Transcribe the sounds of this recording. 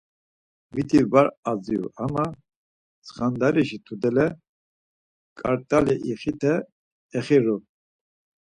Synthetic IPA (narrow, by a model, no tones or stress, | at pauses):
mit̪ʰivaɾad͡ziṵama | t͡sʰχand̪aɾiʃit̪ʰud̪ɛlɛ | kʼaɾt̪ʼalɛʔiχit̪ʰɛː | χiɾu